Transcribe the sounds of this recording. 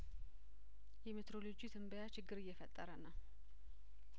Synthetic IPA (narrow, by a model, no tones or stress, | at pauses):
jɛmɨt̪ɾo̞lod͡ʒit̪ʰɨmbəjat͡ʃɪɡːɨɾɨjːɛfət̪ʼːəɾənəw